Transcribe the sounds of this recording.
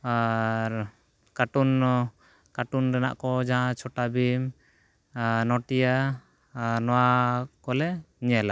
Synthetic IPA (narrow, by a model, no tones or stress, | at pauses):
aɾ | kaʈun | kaʈunɾana̰ʔkɔd͡ʒaɦãt͡ʃʰɔʈabim | nɔʈija | ɾnɔwakɔlɛɲɛla